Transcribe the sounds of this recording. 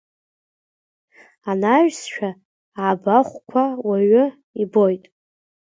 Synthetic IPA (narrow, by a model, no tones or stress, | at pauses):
anaʒᶣsʃᶣʰaː | baχʷkʷʰawaɥʊ | ibo̞jtʼ